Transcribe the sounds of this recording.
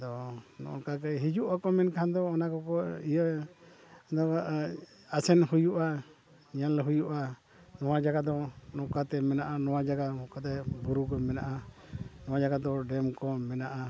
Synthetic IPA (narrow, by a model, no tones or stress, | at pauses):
d̪ɔnɔ̰ʔɔ̰ɾkakɛɦid͡ʒuʔakɔmɛnkʰand̪ɔːnakɔkɔijə | d̪ɔ | asɛnhujuʔa | ɲallɛɦujuʔa | nɔwad͡ʒaɡad̪ɔnɔkat̪ɛmɛnaʔanɔwad͡ʒaɡamɔkat̪ɛbuɾukɔmɛnaʔa | nɔwad͡ʒaɡad̪ɔɖɛmkɔmɛnaʔa